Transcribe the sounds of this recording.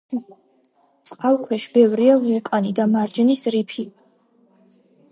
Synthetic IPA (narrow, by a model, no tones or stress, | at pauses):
t̪sʼqʼalˠkʰwɛʃbɛvɾiavulˠkʼanid̪amaɾd͡ʒɛnisɾipʰi